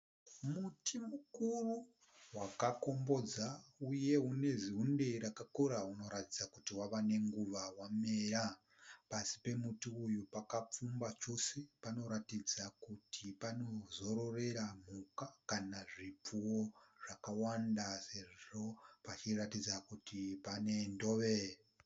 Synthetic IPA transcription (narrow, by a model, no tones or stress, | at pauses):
mutimukuru | wakako̞mbo̞d͡zauje̞ɦune̞ziɦunde̞iɾakakoɾauno̞ɾatid͡zakutiwaʋane̞ŋɡuʋawame̞ːɾa | pasi̥pe̞mutiujupakap͡fumbat͡ʃo̞se̞pano̞ɾatid͡zakutipano̞zo̞ɾo̞re̞ɾam̤ukakanaʐip͡fuwoʐakawandase̞ʐo̞pat͡ʃiratid͡zakutipane̞ndo̞ʋe